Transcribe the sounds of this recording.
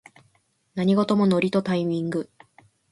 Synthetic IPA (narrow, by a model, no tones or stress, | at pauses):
naɲ̟iɡo̞t̪o̞mo̞no̞ɾʲit̪o̞t̪aimʲĩŋɡɯ̟